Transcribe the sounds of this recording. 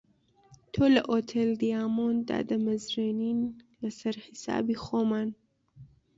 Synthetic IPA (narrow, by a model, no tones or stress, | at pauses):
t̪ʰolɐʔoːt̪ʰeld̪ijaːmond̪a̰ːd̪ɐmɐzɾeniːnlɐsɐɾhisa̰ːbiːxoːmaːn